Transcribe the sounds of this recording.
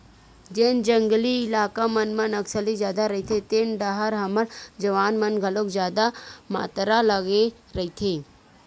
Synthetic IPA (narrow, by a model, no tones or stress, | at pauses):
d͡ʒeːnd͡ʒə̃ŋɡliɪlaːkamɐnmɐnɐksəlid͡ʒjaːd̪aɾɐɦit̪ʰet̪eːnɖɐɦəɾɦɐməɽd͡ʒɐʋaːnmɐnɡʱɐlokd͡ʒjaːd̪ama̰ːt̪ɾaləɡe | ɾɐit̪ʰeː